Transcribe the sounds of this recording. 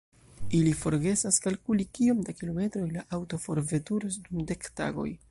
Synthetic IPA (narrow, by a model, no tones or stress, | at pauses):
ilifo̞ɾɡe̞saskalkulikio̞mdakilo̞me̞tɾo̞jlaʔawto̞fo̞ɾve̞tuɾosdumde̞kta̰ɡo̞̰j